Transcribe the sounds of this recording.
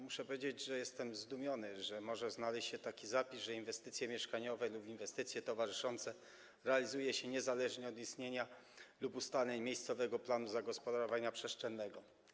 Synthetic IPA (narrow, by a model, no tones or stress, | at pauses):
muʂɛpɔvʲjʲed͡ʑed͡ʑʐɛjɛst̪ɛmzd̪umʲjɔnɘʐɛmɔʐɛznalɛɕt͡ɕɕɛt̪akʲizapʲizʐɛinvɛst̪ɘt̪sʲjɛmʲjɛʂkaɲɔvɛlupinvɛst̪ɘt̪sʲjɛt̪ɔvaʐɘʂɔnt̪sɛ | ɾɛalʲizujɛɕɛɲɛzalɛʐɲɛɔd̪ist̪ɲeɲa | lupust̪alɛɲmʲjejst̪sɔvɛɡɔplanuzaɡɔspɔd̪aɾɔvaɲapʂɛsʂt͡ʂɛnːɛɡɔ